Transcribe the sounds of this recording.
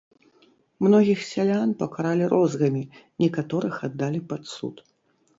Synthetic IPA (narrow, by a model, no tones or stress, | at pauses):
mnɔɣʲixsʲalʲanpɐkaɾalʲiɾʔɔzɣɐmʲi | nʲɛkat̪ɔɾɨxad̪ːalʲipat̪sṵt̪